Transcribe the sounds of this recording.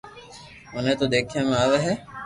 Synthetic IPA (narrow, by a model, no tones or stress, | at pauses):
ʊnẽːt̪oːd̪eːkʰijãːmẽaːʋeɦeː